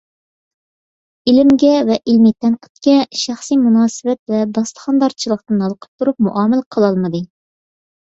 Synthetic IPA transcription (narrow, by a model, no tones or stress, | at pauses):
ilɪmɡʲɛvɛʔilmit̪ʰɛnqʰə̥t̪kʲɛʃæχsijmunɑːsɨvɛt̪̚vɛb̪ɑslˠə̥χɑnd̪ɑɾt͡ʃʰilˠəq̚t̪ɨnɑlˠəqʰə̥p̚t̪ʰuɾup̚muʔɑːmɪlqʰəlˠɑlˠmɨd̪ɨ